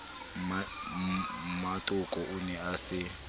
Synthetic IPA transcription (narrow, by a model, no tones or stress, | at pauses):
matʼʊkʼɔʔunɛasɪ